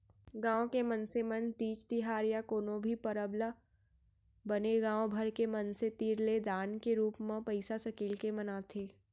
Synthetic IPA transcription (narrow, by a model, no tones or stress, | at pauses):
ɡãːõkemənsemənt̪iːt͡ʃt̪ɪɦaːɾjakoːnõbʱipəɾəbla | bəneɡãːõbʱɐɾkemɐnset̪iːɾled̪aːnkeɾuːpmãpɐɪsasɐkiːlkemɐnaːt̪ʰeː